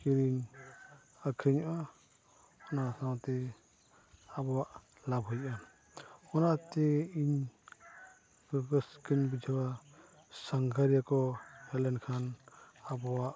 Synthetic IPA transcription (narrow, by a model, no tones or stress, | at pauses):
kiɾiɲ | akʰiɲɔʔa | ɔnasawt̪ɛ | abɔwaʔ | labʱɦɔjʔa | ɔnat̪eiɲ | bɡəskinbid͡ʒawa | saŋɡʰʱaɾijakɔhɛlɛnkʰanabɔwaʔ